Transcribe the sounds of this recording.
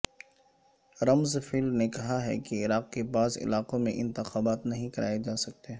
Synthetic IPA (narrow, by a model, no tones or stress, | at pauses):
ɾɐmzfɪlnekɐɦaɦɛ̰keɪɾaːq̚kepaːzɪ̰laːqõmẽʔɪ̃nt̪ɪxaːbaːt̪nɐɦĩkɐɾʔa̰ːed͡ʒaːsɐk̚t̪e